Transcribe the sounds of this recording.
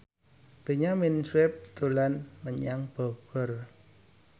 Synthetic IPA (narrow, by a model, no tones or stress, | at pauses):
b̥e̤ɲaminswɪp̚t̪ṳlanməɲaŋb̥ɔɡ̥ɔ̤r